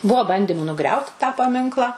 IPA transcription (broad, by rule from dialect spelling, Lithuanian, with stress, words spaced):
ˈbuɔ ˈbɐnʲdʲɪmʊ nʊˈɡrʲɛʊt tɑː pɐˈmʲɪŋklˠɐ